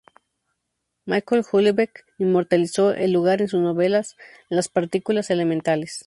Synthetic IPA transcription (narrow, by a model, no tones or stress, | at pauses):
majkolxulβekinmo̞ɾt̪aliso̞ʔḛlːuɣaɾe̞nsuzno̞βelas | laspaɾt̪ikulase̞lemẽnt̪ales